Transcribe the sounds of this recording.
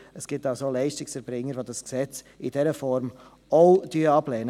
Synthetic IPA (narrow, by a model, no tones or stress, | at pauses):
əsɡ̥ɪp̚taʊsoːlɛɪʃtɪksɛɾbɾɪŋəɾvoːdɑsksɛt͡s | ɪd̥ɛɾəfɔɾm | oʊd̥yɑblɛːnə